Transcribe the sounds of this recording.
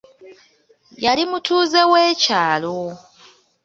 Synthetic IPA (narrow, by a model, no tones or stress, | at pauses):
jalimutuːze̞weːcaːlo